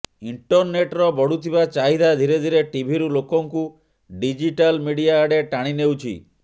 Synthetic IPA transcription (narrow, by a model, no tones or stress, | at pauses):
iɳʈɔɾneʈɾɔbɔɽut̪ʰibat͡ʃaɦid̪ʱad̪ʱiɾed̪ʱiɾeʈibʱiɾulokɔŋku | ɖid͡ʒiʈalmiɽijaːɖeʈaɽ̃inewt͡ʃʰḭ